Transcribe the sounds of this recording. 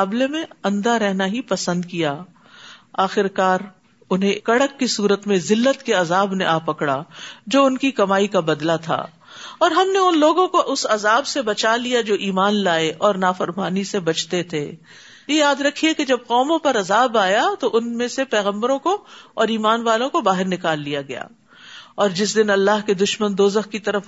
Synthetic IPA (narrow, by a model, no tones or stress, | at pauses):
aːblemẽɐ̃nd̪aɾɛɦnaɦipɐsə̃nd̪kijaː | aːxɪɾkaːɾ | ʊnɦẽkɐɽəkːisuːɾət̪mẽzɪlːət̪keɐzaːbnḛʔaːpɐkɽa̰d͡ʒoːʊnkikɐmaːikabɐd̪lat̪ʰa̰ː | ɔːɾɦɐmneʊnloːɡõkoʔʊsɐzaːbsebɐt͡ʃalijad͡ʒoːʔiːmaːnlaːeʔɔːɾnaːfɐɾmaːnisebɐt͡ʃt̪et̪ʰḛ | jejaːd̪ɾɐkʰːieked͡ʒɐb̚qɔːmõpɐɾɐzaːbaːjat̪oʔʊnmẽsepɛːɣə̃mbəɾõkoɔːɾiːmaːnʋaːlõkobaːɦɪɾnɪkaːlːijaɡɐja̰ː | ɔːɾd͡ʒɪsd̪ɪnɐlːaːɦked̪ʊʃmənd̪oːzəxkit̪ɐɾəf